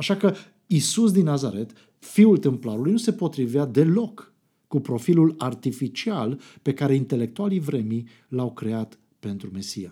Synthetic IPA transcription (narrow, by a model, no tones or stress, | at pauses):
aʃakə | isus̬d̪inːazaɾe̞t̪ | fiult̪emplaɾulujnuse̞po̞t̪ɾivead̪e̞lo̞kː | upɾo̞filulart̪ifit͡ʃialpe̞kaɾe̞int̪e̞le̞k̚t̪ualivɾe̞mi | lawkɾe̞at̪ | pe̞nt̪ɾume̞sija